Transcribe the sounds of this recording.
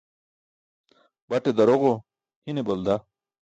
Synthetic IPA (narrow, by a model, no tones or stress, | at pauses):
bɐʈed̪ɐɾoɣo | hinebɐld̪a